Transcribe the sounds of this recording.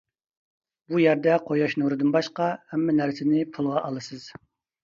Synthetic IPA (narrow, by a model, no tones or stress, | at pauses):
b̥ujɛɾd̪ɛqʰojɑʃnuɾɨd̪ɨnbɑʃqɑhɛmːɛnæɾsɪnɪpʰulˠʁɑʔɑlˠɨsɨz̥